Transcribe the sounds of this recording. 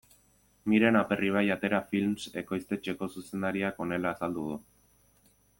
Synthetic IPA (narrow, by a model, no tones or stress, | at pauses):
miɾe̞nape̞riβ̞ajat̪e̞ɾafilmse̞ko̞jst̪e̞t͡ʃe̞ko̞suse̞nd̪aɾiako̞ne̞laːsald̪uð̞u